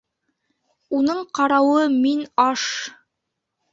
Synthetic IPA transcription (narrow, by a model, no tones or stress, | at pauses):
unɤɴqɑɾɑwɤminɑʃ